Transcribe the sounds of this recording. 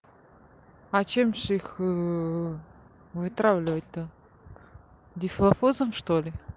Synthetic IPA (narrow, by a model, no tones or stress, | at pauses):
ɐt͡ɕemʐix | vɨt̪ɾavlʲɪvət̚ʲt̪ə | dʲɪflˠɐfozəmʂt̪olʲɪ